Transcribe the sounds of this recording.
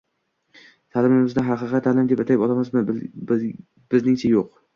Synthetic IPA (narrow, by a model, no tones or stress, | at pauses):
t̪ʰalɪmɪmɪznɪɦɑqɨqɨt̪ʰːalɪmd̪e̞pat̪ʰapɒlˠamazmɪ | b̥ɪznɪŋt͡ʃʰajoq